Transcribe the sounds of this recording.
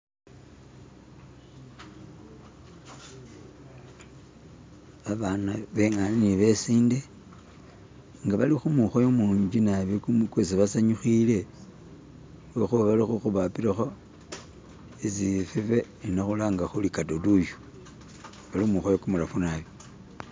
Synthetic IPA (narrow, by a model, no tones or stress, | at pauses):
aβanaβeŋaniniβe̞siːnde | ŋɡaβalixumuxojomuːɲd͡ʒinaβikumkwes̬iβasaɲuxile̞ | wexuβaβalixuxuβapiɾaxo̞ | esifife̞ | naxulaŋɡaxulikatoduʃu̥ | βalimuxojokumuɾafunaβi